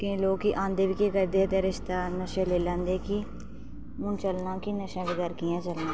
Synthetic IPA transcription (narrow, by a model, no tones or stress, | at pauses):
kẽloːkːiʔãːnd̪eːʋiːkeːkəɾd̪eːd̪eːɾɪʃt̪aːnəʃeːleːlãːnd̪eːki | mʊnt͡ʃəlnãːkinəʃãːbɪd̪əɾkɪjãːt͡ʃəlnãː